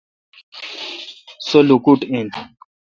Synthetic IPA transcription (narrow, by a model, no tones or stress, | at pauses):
solukuʈen